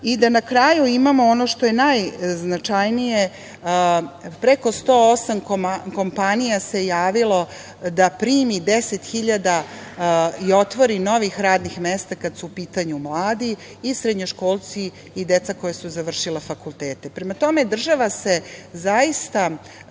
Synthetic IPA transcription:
id̪anakɾajuimamoono̞ʃt̪o̞je̞najznat͡ʃajnije̞ | pɾe̞ko̞st̪o̞osamkko̞mpanijase̞jaːʋilo̞ | d̪apɾiːmid̪eset̪xiʎad̪a | io̞t̪ʋo̞ɾino̞ʋixɾaːd̪nixmest̪akad̪suːpiːt̪aɲumlˠaːd̪iː | sɾed̪ɲoʃko̞ːlˠt̪siː | d̪e̞t̪sako̞jesuzaʋr̩ʃilefakulˠt̪eːt̪e̞pɾe̞mat̪o̞me̞d̪r̩ʒaʋase̞zaist̪a

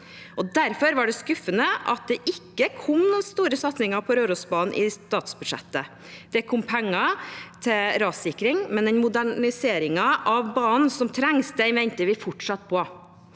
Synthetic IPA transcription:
ʔɔd̪æɾfɔɾʋɑɖɛskʉfːənəʔɑ̰t̪̚d̪ɛʔɪkːəkʰʊmnst̪uːɾəsɑt̪snɪŋɑpʰɔɾøːɾusbɑːnn̩ʔɪst̪ɑːt̪sbʉ̥ʂɛ̰t̪ːə | d̪̥ɛkʰʊmpʰɛŋːɑt̪ʰɛɾɑːsɪkɾɪŋmɛnd̪ɛnmʊd̪æɪseːɾɪŋɑʔɑʋbɑːnn̩sɔmt̪ʰɾɛŋst̪əɪʋɛnt̪əʋɪfɔʈʂɑt̪ːpʰɔ

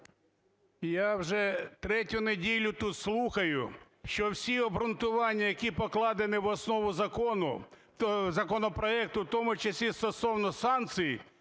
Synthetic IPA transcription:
jawʒɛt̪ɾɛtʲʊnedʲilʲʊt̪ut̪slˠuxɐjʊ | ʃt͡ʃɔwsʲiɔbɾʊnt̪ʊʋɑnʲːɐjɐkʲipɔklˠɑd̪ɪnɪwɔsnɔʋʊzɐkɔnʊ | zɐkɔnɔpɾɔɛk̚t̪ʊwt̪ɔmʊt͡ʃɐsʲist̪ɔsɔwnɔsɑnt̪sɨji

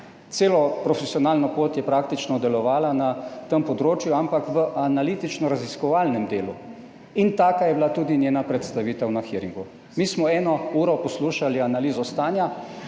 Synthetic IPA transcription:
t̪seːlɔpɾɔfesijɔnaːlnɔpoːt̪jɛpɾaːkt̪it͡ʃnɔd̪ɛlɔʋaːlanat̪əmpɔd̪ɾoːt͡ʃjuampakʋəʔanalit̪it͡ʃnɔɾaziskɔʋaːlnɛmd̪eːlu | int̪aːkajɛblat̪uːd̪inʲjeːnapɾɛt̪st̪aʋiːt̪əwnaxiɾḭŋɡu | miːsmɔɛːnɔuːɾɔpɔsluːʃalianaliːzɔst̪aːnja

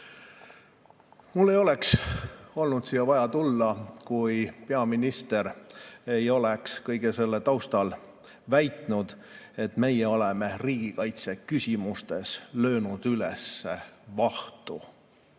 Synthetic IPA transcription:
mulːe̞jo̞le̞kso̞lnud̪siːɑvɑjɑt̪ulːɑkujpe̞ɑminist̪e̞ɾe̞jo̞lekskɤjɡ̥ese̞lːet̪ɑwst̪ɑl | væjt̪ˑnud̪̥e̞t̪me̞jeo̞lɛmeriːɡ̥ikɑjt̪se̞kysʲimust̪e̞slø̞ːnud̪̥ylɛ̰sːevɑht̪u

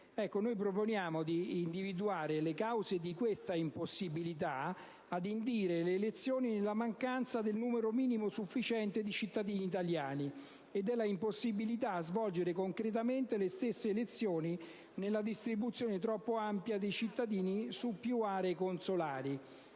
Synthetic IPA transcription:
ɛkːonojp̬ɾoponjaːmod̪iːnd̪ivid̪uaːɾelekawzed̪ikwest̪aimposːibilit̪̬a | ad̪ind̪iːɾeleːlet̪sːjoːninelːamaŋkant̪sad̪elnuːmeɾomiːnimosufːit͡ʃɛnt̪ed̪it͡ʃit̪ːad̪iːniːt̪aljaːni | ed̪ːelːaimposːibilit̪̬aːzvɔld͡ʒeɾekoŋkɾet̪̬ament̪elest̪esːeːlet̪sːjoːni | nelːad̪ist̪ɾibut̪sːjoːnet̪ɾɔpːoampjad̪ejt͡ʃit̪ːad̪iːnisupːjuaːɾeːkonsolaːɾi

